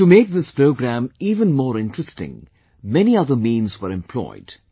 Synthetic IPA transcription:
tumeːk̚ðɪspɾoʊɡɾæ̃miːvə̃nmɔːɾɪ̃ntɹ̥əstɪ̰̃ŋ | mɛniʌðəmĩːnzwəɾɛ̃mpʰl̥ɔ̰ɪd̥

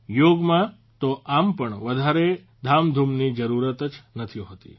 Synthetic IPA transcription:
joɡmã | t̪oʔampəɳʋəd̪ʱaɾe | d̪ʱamd̪ʱumnid͡ʒəɾuɾət̪ət͡ʃnət̪ʰiõɦət̪ḭ

